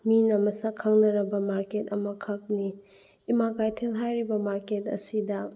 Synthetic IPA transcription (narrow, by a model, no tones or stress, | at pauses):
minɐmɐsɐkʰɐŋnɐɾɐbɐmaɾketɐmɐkʰɐk̚niː | makajtʰelɦajɾibɐmaɾketɐ̰sidɐ